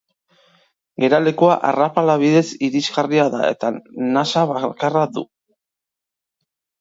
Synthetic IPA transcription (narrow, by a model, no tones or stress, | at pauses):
ɡe̞ɾale̞koaʔarapalaβ̞iðe̞siɾizɣariaða̰e̞̰t̪anasaβakaraðṵ